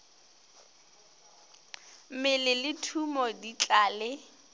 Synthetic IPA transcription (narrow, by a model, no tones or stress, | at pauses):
mɪlɪlɪtʰumɔdit͡ɬʼaːlɪ